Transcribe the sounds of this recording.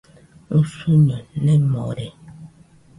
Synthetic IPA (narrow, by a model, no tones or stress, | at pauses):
ŋ̩suɲɔnnɛmɔ̰ɾɛ